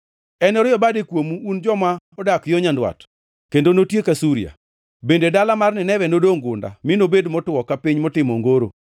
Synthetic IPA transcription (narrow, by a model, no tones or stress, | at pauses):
ɛnɔɾɪjɔbadɪkwomuːnd͡ʒɔmaɔdakjoɲandwa̰t | kendonotjekasuɾija̰ | bendedalamarnɪnɛwɛnodoŋɡʊnda̰mɪnobedmɔtwɔkapiɲmɔtɪmɔŋɡoɾo̰